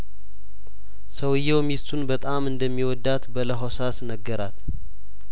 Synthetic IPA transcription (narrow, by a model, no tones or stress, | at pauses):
səwɨjːɛwmist̪ʰunbət̪ʼamɨnd̪əmːiwɔd̪ːat̪bələɦosasnəɡːəɾat̪